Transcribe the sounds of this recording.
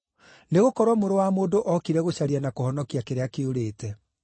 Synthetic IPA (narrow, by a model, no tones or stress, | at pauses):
neɣokɔɾwamoɾowamoːndoʔɔkiɾɛɣoɕaɾianakohɔnɔkiakeɾeakeoɾeːtɛ